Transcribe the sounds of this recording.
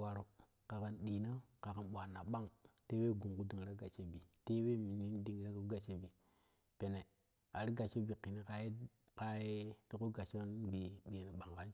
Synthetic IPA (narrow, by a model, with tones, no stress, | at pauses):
wa˨ɾo˨ | ka˨ka˨nɗi˨nə˦ka˨ka˨nɓʷa˨nːa˨ɓa˦ŋte˦we˦˨ɡu˨ŋku˦di˨ŋ˨ɾa˦ɡa˨t͡ʃe˦bi˨te˦we˦mi˨ni˦n˦di˨ŋ˨ɾa˦ku˦ɡa˨t͡ʃe˦bi˨ | pe˨ne˨ | a˨ɾi˦ɡa˨t͡ʃo˦bi˨ki˨ni˦ka˦je˦ | ka˦je˦ti˦ku˦ɡa˨t͡ʃo˦nbi˨ɗi˨nə˨ɓa˨ŋka˦n